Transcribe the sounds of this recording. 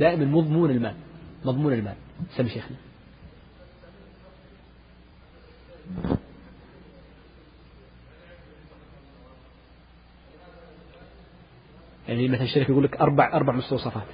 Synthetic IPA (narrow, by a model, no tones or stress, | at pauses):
aːʔɪmanmɑðˤmuːnɪlmaːlmɑðˤmuːnɪlma̰ːlsamːiʃeːxni | jaʕnimaθalʃt̪aɾɪkjɡulːɪkʔɑɾˤbaʕʔɑɾˤbaʕmʊst̪ɑwsˤɑfɑːt̪